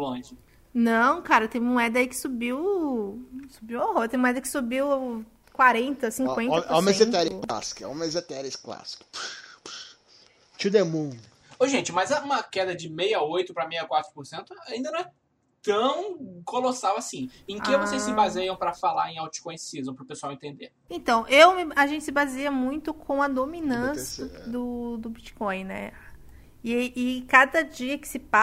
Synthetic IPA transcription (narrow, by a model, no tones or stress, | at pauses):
lɐ̃d͡ʒɪ | nɐ̃w̃kaɾɐt̪ẽj̃muɛd̪ɐikɪ̥subiw | subiwõɦoɾt̪ẽj̃moɛd̪ɐkɪ̥subiw | kwaɾẽnt̪ɐsĩkwẽnɐomezet̪ɛɾa̰si̥kɐõ̰mezet̪ɛɾɪskla̰si̥kʊ̥p | t͡ʃid̪emũ | oʒẽnt͡ʃɪmɐzɐũmɐkɛd̪ɐd͡ʒɪmejaojt̪ʊpɾɐmejɐkwat̪ɾʊpoɾsẽnt̪ʊaĩd̪ɐnɐ̃ɛ | t̪ɐ̃w̃kolosawasĩẽkẽvosejssːɪbazejɐ̃w̃pɾɐfala̰ɾẽj̃awt͡ʃi̥kõj̃sizmɐ̃pɾʊpesuawẽnt̪ẽd̪e | ẽt̪ɐ̃w̃ʔewmɪɐʒẽnt͡ʃɪsɪbazeɐmũj̃t̪ʊkʰõɐd̪ominɐ̃sɐd̪ʊd̪ʊbit͡ʃi̥kõj̃nɛ̰ | ɪkad̪ɐd͡ʒiɐkɪ̥sɪpa